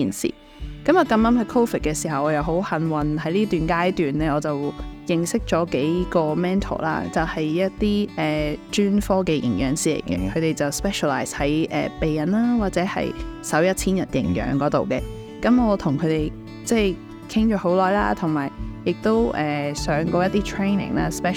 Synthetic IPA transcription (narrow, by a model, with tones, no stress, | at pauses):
iː˨nsḭː˨˩ | kɐ˨˥mɔː˨˧kɐ˧mlɐ˨˥mhɐ˨˧jkʰo˥fi˨˩t̚kɛ˧siː˨˩ɦɐ˨˩wʔɔː˨˧jɐ˨wɦo˨˥whɐ˨˥nwɐ˨nɦɐ˨˥jliː˥t̪yː˨nkaː˥jt̪yː˨nlɛː˥ɔː˨˧t͡sɐ˨wjɪ˨ŋsɪ˥k̚t͡ʃɔː˨˥ke˨˥jkɔː˧mɛː˥nt̪ʰo̰˨˩la̰ː˥t͡sɐ˨whɐ˨jjɐ˥t̚t̪iː˥ʔɛː˨˩t͡ʃyː˥nfɔː˥kɛː˧jɪ̰˨˩ŋjœː˨˧˥ŋsiː˨˩lḛ˨˩jkɛ̰˧kʰɵ˨˧t̪e˨jt͡sɐ˨wspɛː˥ʃɔ˨laː˨jshɐ˨˥jʔɛ̰ː˨˩pe˨jːɐ˨naː˥waː˨t̚t͡sɛː˨˥hɐ̰˨jsɐ˨˥wjɐ˥t̚t͡sʰiː˥njɐ˨t̚jɪ̰˨˩ŋjœ̰ː˨˥ŋkɔː˨˥t̪o̰˨wkɛː˧ | kɐ˨˥mɔː˨˧t̪ʰʊ˨˩ŋkʰɵ˨˧t̪e˨˩j | t͡sɛː˥˩j | kʰɪ˥ŋt͡ʃɔː˨˥ho˨˥wlɔː˨jla̰ː˥t̪ʰʊ˨˩ŋmaː˨˩jjɪ˨k̚t̪o˥wʔɛː˨sœː˨˥ŋkɔː˧jɐ˥t̪iː˥t̪ʰɹe˥jnɪ̰˨˩ŋla̰ː˦˥spɛ˥